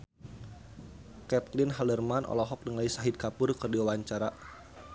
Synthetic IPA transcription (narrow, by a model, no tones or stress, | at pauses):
kɛt̪̚lɪnɦalərmanʔɔ̰lɔɦɔk̚dəŋaisaɦid̪̚kapʊrkərdiwawaɲt͡ʃaɾa